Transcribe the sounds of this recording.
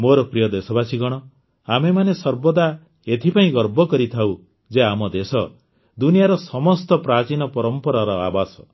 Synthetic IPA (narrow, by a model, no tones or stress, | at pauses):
moɾɔpɾijɔd̪esɔbasiɡɔɽ̃ɔ | amemanesɔɾbɔd̪a | et̪ʰipaĩɡɔɾbʱɔkɔɾit̪ʰaw | d͡ʒeamɔd̪esɔ | d̪unijaɾɔsɔmɔst̪ɔpɾat͡ʃinɔpɔɾɔmpɔɾaɾɔa̰basɔ̥